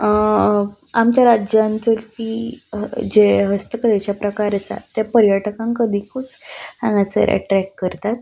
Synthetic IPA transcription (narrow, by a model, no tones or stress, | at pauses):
amt͡ɕjaɾad͡ʑjãnt͡s̪əlfi | d͡ʑeɦəst̪əkəɾet͡ɕapɾəkaɾəsa̰t̪ːapəɾjaʈəkãŋkəd̪ʱikʰut͡sãŋɡat͡sə̰ɾʔḛʈɾɛkːəɾt̪at̪̚